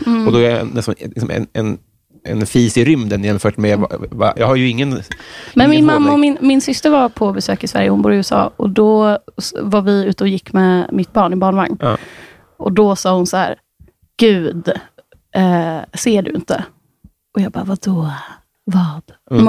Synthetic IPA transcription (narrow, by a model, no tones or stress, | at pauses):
ɔd̪ɔɛɛ̰nːɛst̪anlɪksɔmɛ̰nɛn | ʔɛnfiːsɪɾʏmd̪ənjɛnfœːʈmɛv̰va̰jɑ̰ːɡhaɾjɵɪŋːənmɛnmɪnmamːaɔmɪnmɪnsʏst̪əɾvaɾpʰɔbɛsø̰ːkɪsvæ̰ɾjəhʊnbuːɾɪʉ̟ːɛsɑ̰ːɔ̰d̪ɔ | vaɾvɪʉ̟ːt̪əɔjɪkːmɛmɪt̪̚ːbɑːɳɪbɑːɳvaŋn | ʔɔd̪ɔsɑːhʊnsahæ̰ːɾ | ɡ̥ʉ̟ːd̪ | ɛseːɖɵ̰ɪ̰nt̪ə̰ | ʔɔjɑːɡbɑ̰ːvad̪̥ɔ | vɑːd̪̥